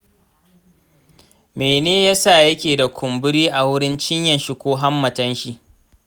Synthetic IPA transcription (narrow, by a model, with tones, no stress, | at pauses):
meː˨neː˦ja˦sa˦˨jɐ˦kʲeː˨da˨kʷʰʊ˨mbʊ˦ɽiː˦ʔa˨wʊ˦ɽɪ˦nt͡ʃɪ˦ɲjɐ˨nʃi˦kʷoː˦ɦa˦mːɐ˨tɐ˦nʃi˦ʔ